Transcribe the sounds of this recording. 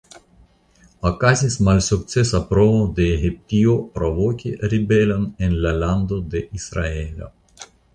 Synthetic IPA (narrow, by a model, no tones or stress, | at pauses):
akazismalsuk̚t̪t͡sesapɾoβod̪eːhip̚t̪iopɾoβokʲeribelanenlaland̪od̪eʔisɾaela̰